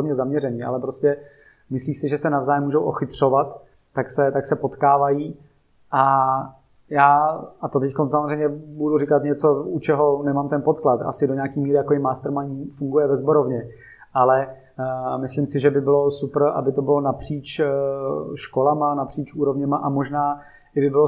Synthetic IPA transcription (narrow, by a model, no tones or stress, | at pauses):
mɲɛzamɲɛɾɛɲiʔa̰lɛpɾoscɛ | mɪsliːsɪʒɛsɛnavzaːjɛmːuːʒowʔoxɪt̪r̝̥o̞vat̪ː | aksɛt̪aksɛpo̞t̪kaːvajiː | ʔa | jaːat̪ot̪ɛckons̬amozr̝ɛjɲɛbudurɪkat̪ɲɛt͡sout͡ʃɛɦo̞nɛmaːmt̪ɛnpot̪klat̪ʔa̰sɪdoɲakiːmiːɾɪjakobɪmaːst̪ɾmaɲifuŋɡujɛvɛzboɾovɲɛ | alɛ | mɪslɪmsɪʒɛbɪbɪlo̞supr̩ʔa̰bɪt̪obɪlonapr̝̥iːt͡ʃ | ʃko̞lamanapr̥iːt͡ʃuːɾovɲɛmaʔamoʒnaː | ɪɡbɪbɪlo